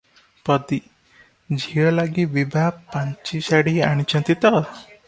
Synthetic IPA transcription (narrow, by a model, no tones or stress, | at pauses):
pɔd̪i | d͡ʒʱiɭɔlaɡibibʱapːaɲt͡ʃisaɽiaɽ̃it͡ʃʰɔ̃nt̪it̪ɔ